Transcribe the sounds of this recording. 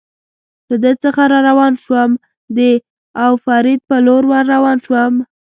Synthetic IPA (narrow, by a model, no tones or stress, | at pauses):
lad̪ət͡səxaɾɑɾawɑnʃwəm | d̪ə | awfɑɾɪd̪̚pəloɾwaɾːawɑnʃwəm